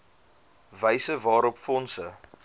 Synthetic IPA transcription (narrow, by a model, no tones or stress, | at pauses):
vəjsəvɑːɾɔpfɔnsə